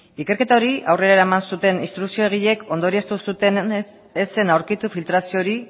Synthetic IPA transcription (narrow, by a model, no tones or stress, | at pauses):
ike̞ɾke̞t̪ao̞ɾiʔawre̞ɾaeɾaemansut̪e̞nist̪ɾuksio̞eɣ̞iʎe̞ko̞nd̪o̞ɾie̞st̪usut̪e | ese̞nawɾkit̪ufilt̪ɾasio̞ɾi